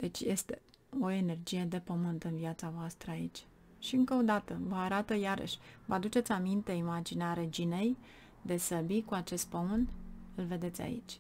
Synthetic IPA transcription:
d̪̥e̞t͡ʃʲje̞st̪e̞ | o̞e̞ne̞rd͡ʒije̞d̪e̞pəmɨnt̪ɨnviat̪savoast̪ɾəait͡ʃʲ | ʃiɨŋkəod̪at̪əvəaɾat̪əjaɾə̰ʃʲvəad̪ut͡ʃet̪sʲamint̪e̞imad͡ʒineaɾe̞d͡ʒine̞j | d̪e̞səbikuat͡ʃe̞st̪̚pəmɨnt̪ɨlve̞d̪e̞t̪sʲa̰ḭt͡ʃʲ

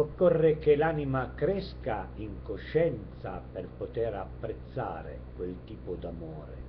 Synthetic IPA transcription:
okːɔrːekelaːnimakɾɛskaiŋkoʃːɛnt̪sa̰perpot̪eɾapːɾet̪sːa̰ːɾḛkwelt̪iːpod̪amoːɾḛ

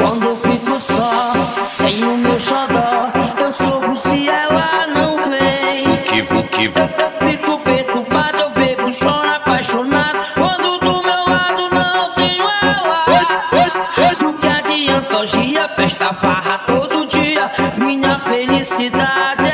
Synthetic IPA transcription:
kwɐ̰̃nd̪ʊewfikʊsɔsẽj̃ʊmewʃad̪ɔɾewsobʊsɪɛlanɐ̃w̃kejʊkevokevt̪efikʊpet̪ʊmad̪ewvebʊʃɔɾapajʃonad̪ʊkwɐ̃nd̪ʊd̪ʊmewlad̪ʊnɐ̃w̃t̪ẽɲũaɛla | d̪ʊkɪadiɐ̃nt̪ɔʒiɐfɛʃt̪ɐbaɦɐt̪od̪ʊd͡ʒiɐmĩɲɐfelisid̪ad͡ʒɪ

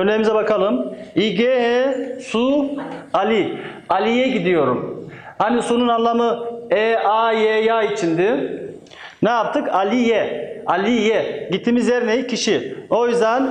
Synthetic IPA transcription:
øɾnejimizɛbakʰalˠɯmiɟeɦɛsu | alʲi | alʲijɛɟid̪ijo̞ɾumhanisununanlˠamɯɛajejait͡ʃʰind̪ɪ | naap̚t̪ʰɯkalʲijɛalʲijɛɟit̪ʰːiːmizjɛɾnejicʰiʃio̞jyzd̪æn

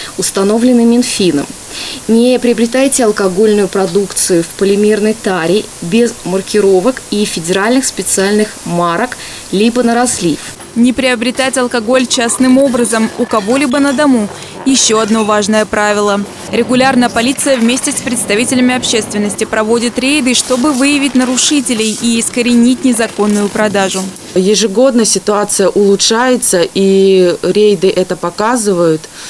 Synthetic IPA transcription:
ʊst̪ɐno̞vlʲɪnɨmʲːɪnfʲinə̰m | nʲɪpɾʲɪəbɾʲɪt̪ajtʲɪɐlˠkɐɡo̞lʲnʊjʊpɾɐd̪ukt̪sɨjʊfpəlʲɪmʲirnəjt̪aɾʲɪbʲɪzmərkʲɪɾo̞vəkifʲɪdʲɪɾalʲnɨxspʲɪt̪sɨalʲnɨxmaɾək | lʲibənəɾɐslʲif | nʲɪpɾʲɪɐbɾʲɪt̪atʲɐlˠkɐɡo̞lʲt͡ɕasnɨmo̞bɾəzəmʊkɐvo̞lʲibənəd̪ɐmu | jɪɕːo̞ɐd̪no̞vaʐnəjəpɾavʲɪlˠə | ɾʲɪɡʊlʲarnəjəpɐlʲit̪sɨjəvmʲesʲtʲɪspɾʲɪt̪st̪ɐvʲitʲɪlʲɪmʲɪɐpɕːe̞st̪vʲɪnːəsʲtʲɪpɾɐvo̞dʲɪt̪ɾʲejd̪ɨʂt̪o̞bɨvɨjɪvʲɪtʲnəɾʊʂɨtʲɪlʲɪjiːskəɾʲɪnʲitʲnʲɪzɐko̞nːʊjʊpɾɐd̪aʐʊ | jɪʐɨɡo̞d̪nəsʲɪt̪ʊat̪sɨjəʔʊlˠʊtʂajɪt̪səʔiɾʲejd̪ɨʔɛt̪əpɐkazɨvəjʊt̪

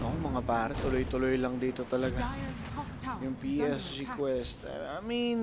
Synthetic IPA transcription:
noʔoŋmɐŋapaːɾɛt̪ʊlojt̪ʊlojlɐŋd̪iːt̪o̞t̪ɐlɐɡa | jʊŋpiʔɛsɹikwɛst̪ɐjmin

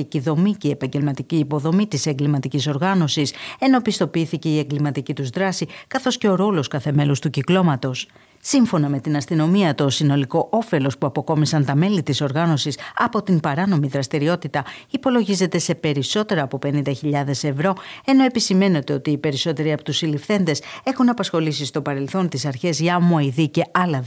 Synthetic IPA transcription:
iciðo̞miceiepɐɲɟe̞lmɐt̪iciːpo̞ðo̞mit̪ise̞ŋɡlimɐt̪iciso̞ɾɣɐno̞sise̞no̞pist̪o̞piiθice̞ie̞ŋɡlimɐt̪icit̪uzðɾɐsikɐθo̞sce̞o̞ɾo̞lo̞skɐθe̞me̞lust̪uciklo̞mɐt̪o̞s | siɱfo̞nɐme̞t̪inɐst̪ino̞miɐt̪o̞sino̞liko̞ʔo̞fe̞lo̞spuɐpo̞ko̞misɐnt̪ɐme̞lit̪iso̞ɾɣɐno̞sisɐpo̞t̪impɐɾɐno̞miðɾɐst̪iɾio̞t̪it̪ɐipo̞lo̞ʝize̞t̪e̞se̞pe̞ɾiso̞t̪e̞ɾɐːpo̞pe̞nind̪ɐçiʎɐðe̞se̞vɾo̞e̞no̞e̞pisime̞ne̞t̪e̞o̞t̪iːpe̞ɾiso̞t̪e̞ɾiɐpot̪usilifθe̞nd̪e̞se̞xunɐpɐsxo̞lisist̪o̞pɐɾe̞lθo̞nt̪isɐɾçe̞zʝɐmoiðice̞ɐlɐ

